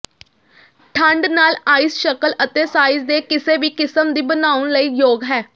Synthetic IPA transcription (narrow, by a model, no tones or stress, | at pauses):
ʈʰəɳɖnaːlaːisʃəkəlʔət̪eːsaːizd̪eːkɪseːʋiːkɪsəmd̪iːbənaːʊɳləiːjoːɡɦɛː